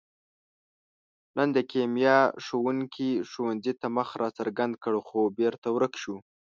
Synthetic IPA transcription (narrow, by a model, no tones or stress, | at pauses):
nʔənd̪əkemjɑʂowuŋkʰiʂowanzit̪aməxɾʔɑt͡saɾɡand̪̚kəɽxobeɾt̪awɾəkʃu